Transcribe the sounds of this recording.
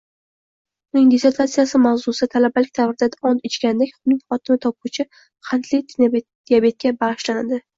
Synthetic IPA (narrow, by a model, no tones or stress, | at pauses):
ʊnɪŋd̪ese̞ɾt̪ʰat̪sɨjasɪmawzʊst̪ʰalabalɪkʲt̪ʰavɾɪd̪ad̪aɒnt̪ɪt͡ʃkʲand̪ekʲʊnɪŋχɒt̪ʰɪmɪt̪ʰɒp̚ʊt͡ʃʰɪ | qʰɑnt̪ʰlɪjt̪ʰ | iabe̞t̪̚kʲabaʁɨʃland̪ɪ